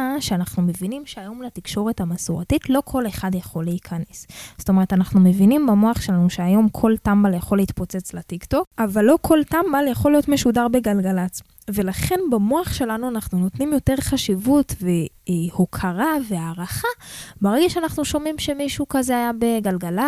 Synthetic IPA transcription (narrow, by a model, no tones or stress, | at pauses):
ʃeanaχnume̞vinimʃeajo̞mlatikʃo̞ʁe̞tamasuʁatitlo̞kʰo̞le̞χadjaχo̞leikʰaneszo̥t̪omeetanaχnume̞vinimbamoaχʃe̞lanuʃeajo̞mkʰo̞ltambaljaχoleitpot͡set͡slatikto̞kavalːo̞kʰo̞ltambaljaχo̞lijo̞tmeʃudaʁbe̞ɡalɡalat͡s | ve̞laχe̞nbamoaχʃe̞lanuanaχnuno̞tnimjo̞te̞ʁχaʃivutve | hokʰaʁaveaːʁaχabaʁeɡeʃeanaχnuʃo̞mimʃe̞miʃukazeajabe̞ɡalɡala